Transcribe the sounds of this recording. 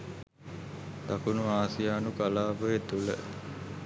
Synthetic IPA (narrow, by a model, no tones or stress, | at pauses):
t̪akunuaːsijaːnukalaːbəjet̪ulə̰